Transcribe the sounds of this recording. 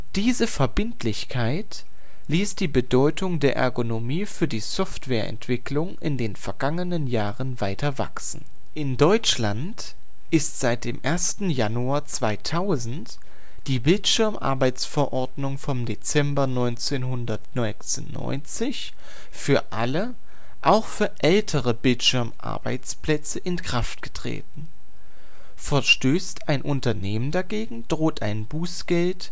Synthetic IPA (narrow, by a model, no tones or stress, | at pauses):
d̥iːzəfɛɐbɪntlɪçkʰaɪt | liːsd̥iːbədɔʏtʰʊŋdeːɐʔɛ̰ɐɡonomiːfyːɐdiːsɔftv̥ɛːɐʔɛ̰ntv̥ɪklʊŋʔɪndeːnfɛɐɡaŋənənjaːʁənvaɪtʰɐva̰ksn̩ | ʔɪndɔʏt͡ʃlant | ʔɪstz̥aɪt̚d̥eːmʔeːɐstn̩januaɐt͡sv̥aɪtʰaʊzn̩t | d̥iːbɪltʃɪɐmʔa̰ɐbaɪt͡sfɛɐʔɔɐdnʊŋfɔmdet͡sɛmbɐnɔʏnt͡seːnɦʊndɐtnɔʏt͡snnːɔ̰ʏnt͡sɪç | fyːɐʔalə | ʔaʊxfyːɐʔɛltʰəʁəbɪltʃʏɐmʔa̰ɐba̰ɪt͡spl̥ɛt͡səʔɪnkʁ̥aftɡ̥ə̥tʁ̥ḛːtn̩ | fɛɐʃtøːstaɪnʔʊntɐneːməndaɡeːɡŋ̩d̥ʁoːtʰaɪnbuːsɡ̥ɛlt